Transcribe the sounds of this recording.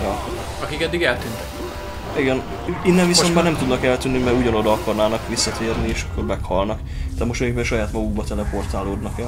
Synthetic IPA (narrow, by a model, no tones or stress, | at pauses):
jɒ | ɒkikɛd̪ːiɡɛlt̪ynt̪ɛk | iɡɛn | inːɛɱviso̞nt̪maːrnɛmt̪ud̪nɒkɛlt̪ynːimɛɾuɟɒno̞d̪ɒɒkɒrnaːnɒkʋisːɒt̪ʰeːrnieːʃɒ̥kːormɛkhɒlnɒk | t̪aːt̪mo̞ʃt̪ɒikbɛnʃɒjaːt̪mɒɡuɡ̚bɒt̪ɛlɛpo̞rt̪aːloːd̪nɒkɛl